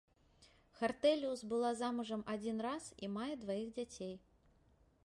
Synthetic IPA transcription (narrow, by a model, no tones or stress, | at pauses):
xart̪ɛlʲiusbɨlˠazamuʐɐmʔad͡zʲinrasḭmajɛd̪vajiɣd͡zʲat͡sʲej